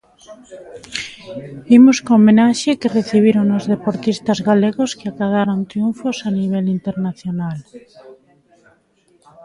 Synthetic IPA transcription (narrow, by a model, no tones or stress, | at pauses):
imoskõomẽnaʃekereθiβ̞iɾoŋozðepoɾt̪ist̪azɣaleɣoskeakaðaɾont̪ɾjuɱfosaniβ̞elint̪eɾnaθjonal